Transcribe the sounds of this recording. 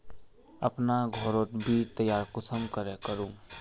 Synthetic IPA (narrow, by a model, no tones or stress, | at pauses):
ɐpnaɡʱɔːɾoːt̪bʱit̪əjaːɾkʊsəmkəɾekəɾũː